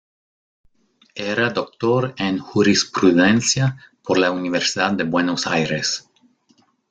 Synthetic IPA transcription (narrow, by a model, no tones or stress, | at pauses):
eɾad̪ok̚t̪oɾenxuɾispɾuðensjapoɾlauniβeɾsiðad̪̚d̪ebwenosajɾes